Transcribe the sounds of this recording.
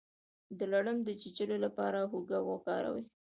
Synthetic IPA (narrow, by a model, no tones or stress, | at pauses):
d̪əlaɽəmd̪ət͡ʃit͡ʃəlolapɑɾaɦuɡawokɑɾa̰wi